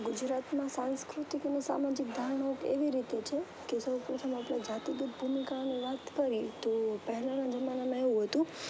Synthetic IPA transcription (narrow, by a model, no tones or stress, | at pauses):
ɡʊd͡ʒɾat̪mãsãnskɾut̪ikənesa̰mad͡ʒik̚d̪ʱaɳ̃okḛʋiɾit̪et͡ʃʰe | kesəpɾot̪ʰəmaplad͡ʒat̪iɡət̪bʱumikaniʋat̪kəɾit̪opəɦɛlanad͡ʒəmanamãeʋũɦət̪ũ